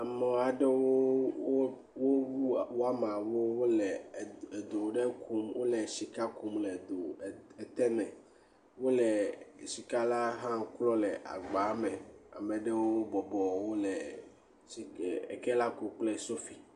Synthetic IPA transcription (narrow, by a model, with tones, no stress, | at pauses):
a˨mɔ˨a˨ɖe˦wo˦wo˦ | wo˦wu˦wo˦a˦mã˨wo˦wo˦lɛ˨e˨d̪o˨ɖe˦kʰu˦mwo˦le˨ʃi˨ka˦ku˦mlɛ˨d̪o˨e˨t̪ɛ˦mɛ̃˨ | wo˦le˨ʃi˨ka˦la˦ɦã˦klɔ˦lɛ˨ʔa̰˨ɡ͡ba˨˦me˨a̰˨mɛ˨ɖe˦wo˦wo˦bɔ˨bɔ˨wo˦lɛ˨ | i˨ḛ˨kɛ˦la˦ku˨k͡ple˦˨so˦fi˨